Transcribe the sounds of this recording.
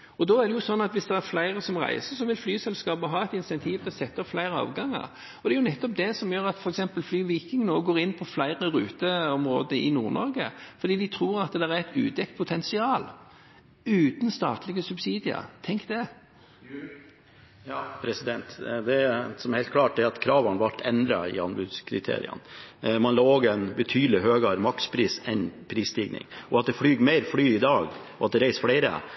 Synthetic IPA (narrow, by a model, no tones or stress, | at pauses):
ɔd̪ɔæɾd̪ɛjʊsɔnːɑt̪ʋɪsd̪ɛæɾflæɪɾəsɔmʁæ̰ɪsəɾsɔʋɪlflyːsɛlskɑːpəɦɑːɛt̪ɪnsɛnt̪ʰiːʋt̪ʰɛɔsɛt̪ːəɔpflæɪɾəɑ̰ːʋɡɑŋːə̰ʁ | ɔd̪ɛæɾjʊnɛt̪ːɔp̚d̪ɛsɔmjøːɾɑt̪fɔɾɛksɛmpəlflyːʋiːkɪŋnoːɡoːɾɪnːpʰɔflæɪʁəɾʉ̰ːt̪əɔmɾoːd̪əʔɪ̰nṵːɾnɔ̰ɾɡə̰fɔɾd̪iːd̪ɪt̪ʰɾuːɾɑt̪̚d̪ɛɾæɾæɪt̪ʉ̰ːd̪ɛk̚t̪̚pʰʊt̪ʰɛnsɪɑːl | ʉːt̪n̩st̪ɑːt̪lɪɡəsʉbsiːd̪ɪə̰t̪ʰɛŋkd̪ɛ | jɑːpʰɾɛsɪd̪ɛnt̪d̪ɛsɔmæɾhɛɪlt̪̚klɑːʈ̚d̪ɛɾɑt̪kʰɾɑːʋɑnʋɑʈʰːɛnd̪ɾɑ̰ɪ̰ɑnbʉd̪skʰɾɪt̪ʰḛːɾɪ̰ə̰nmɑnlɑːoːɡɛɪnbət̪ʰyːd̪l̩ɪɦøːɡɑɾmɑkspʰɾiːsɛnpʰɾiːst̪iːɡnɪ̰ŋɔɑt̪̚d̪ɛflyːɡmæɪɾflyːɪd̪ɑːɡ | ɔɑt̪̚d̪ɛɾæɪsflæɪɾə̰